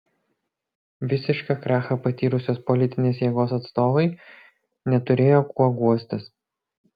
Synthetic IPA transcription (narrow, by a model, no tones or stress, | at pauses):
ʋʲɪsʲɪʃkɑkɾɑːxɐpɐt̪ʲiːɾʊsʲoːspɔlʲɪt̪ʲɪnʲeːsjɛːɡoːsɐt̪st̪oːʋɐɪ | nʲɛt̪ʊɾʲeːjoːkuɔɡuɔsʲt̪ʲɪs